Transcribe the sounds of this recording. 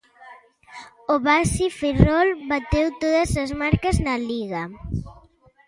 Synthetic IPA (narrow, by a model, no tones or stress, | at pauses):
oβasifirɔlbat̪ewt̪oðɐzɐzmaɾkɐznɐliɣa